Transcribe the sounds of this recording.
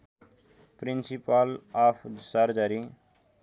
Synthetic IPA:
pɾinsipalapʰsəɾd͡ʒaɾi

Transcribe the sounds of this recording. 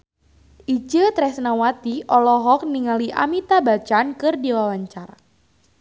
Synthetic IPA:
ʔid͡ʒət̪ɾɛsnawat̪iʔɔlɔɦɔk̚niŋaliʔa̰mit̪abat͡ʃankɨrdiwawaɲt͡ʃaɾa

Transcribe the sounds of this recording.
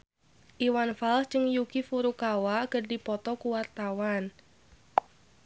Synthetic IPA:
ʔiwanfalst͡ʃɨŋjukifuɾukawakəɖipɔt̪ɔkuwart̪awan

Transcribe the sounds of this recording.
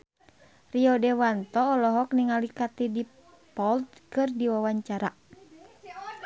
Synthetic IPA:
riɔdɛwant̪ɔːlɔɦɔk̚niŋalikat̪idi | pɔlt̪kɨrdiwawaɲt͡ʃaɾa

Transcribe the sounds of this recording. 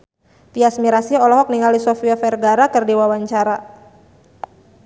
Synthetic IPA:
p̪iasmiɾasiɔlɔɦɔk̚niŋaldisɔfiafɛrɡaɾakɨrdiwawaɲt͡ʃaɾa

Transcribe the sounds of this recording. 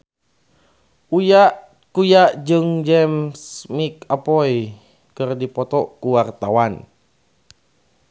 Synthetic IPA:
ujaʔ | kujaʔd͡ʒɨŋd͡ʒɛmsmikapɔj | kɨrdipɔt̪ɔkuwart̪awan

